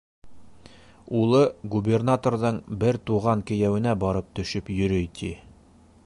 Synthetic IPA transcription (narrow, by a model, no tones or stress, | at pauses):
ulˠɤɡubʲernat̪orðɤɴbɘɾt̪uʁɑŋkɘ̆jæwɘ̆næbɒɾɤp̚t̪ɵ̆ʃɵpjɵ̆ɾɵjt̪ʰi